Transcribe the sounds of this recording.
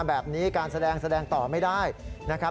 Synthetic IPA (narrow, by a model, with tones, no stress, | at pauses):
bɛː˨˩p̚niː˦˥kaː˧nsa˧dɛː˧ŋsa˧dɛː˧ŋt̪ɔː˨˩ma˥˩jdaː˥˩jna˦˥kʰa˦˥